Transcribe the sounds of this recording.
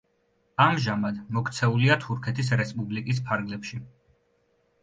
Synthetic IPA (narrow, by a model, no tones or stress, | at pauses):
amʒamad̪mɔkt̪sʰɛuliat̪ʰuɾkʰɛt̪ʰisɾɛspʼublikʼis̬pʰaɾɡlɛpʃi